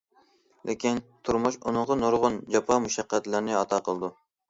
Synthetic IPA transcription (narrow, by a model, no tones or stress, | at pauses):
lʔekʲint̪ʰuɾmuʃunɨɴʁənoɾʁʊnd͡ʒɑpʰɑmuʃɑqːæt̪lɪɾnɪɑt̪ʰɑqʰəlˠɨd̪u